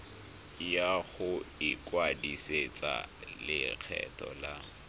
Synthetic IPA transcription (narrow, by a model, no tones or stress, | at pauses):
jaɣʊɪkwadiset͡sʼa̰lɪk͡xʰɛ̰tʰɔla